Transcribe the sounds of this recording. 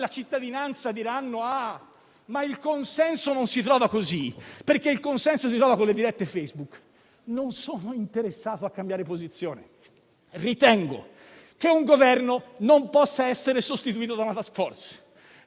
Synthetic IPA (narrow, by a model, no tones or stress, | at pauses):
lat͡ʃit̪ːad̪inant̪sad̪iɾanːoa | mailkonsɛnsononsit̪ɾɔːvakozipeɾkeilkonsɛnsosit̪ɾɔːvakonlːed̪iɾɛt̪ːefejzbukː | nonsoːnoint̪eɾesːaːt̪oakːambjaːɾepozit̪sːjoːne | rit̪ɛŋɡo̰ | k̟euŋɡovɛrnonompɔsːaɛsːeɾesost̪it̪uiːt̪od̪anat̪asfɔrt̪s